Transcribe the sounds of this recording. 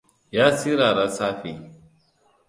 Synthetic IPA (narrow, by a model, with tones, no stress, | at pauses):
jaː˦si˦ɾaː˨ɾa˦saː˦ɸi˨